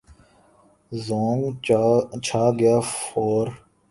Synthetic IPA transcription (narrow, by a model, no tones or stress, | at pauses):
zoːŋɡ | t͡ʃʰaːɡɪjaːfoːɾ